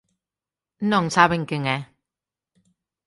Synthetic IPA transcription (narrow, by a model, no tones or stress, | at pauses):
n̩nɔŋsaβəŋ̩kɪŋɛ